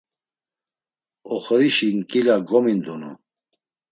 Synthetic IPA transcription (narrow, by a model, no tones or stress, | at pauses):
ɔχəɾiʃinkʼilaɡɔmind̪unṵ